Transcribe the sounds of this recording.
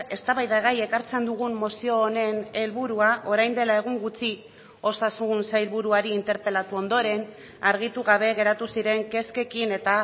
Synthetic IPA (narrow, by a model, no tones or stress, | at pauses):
e̞st̪aβajðaɣaje̞kaɾt͡se̞nd̪uɣummosio̞ːne̞ne̞lβuɾuaʔo̞ɾajnd̪e̞lae̞ɣ̞uŋɡut͡si | o̞sasunsajlβuɾuaɾiːnt̪e̞ɾpe̞lat̪uo̞nd̪o̞ɾe̞n | aɾɣ̞it̪uɣaβ̞e̞ɣe̞ɾat̪usiɾe̞ŋke̞ske̞kine̞t̪a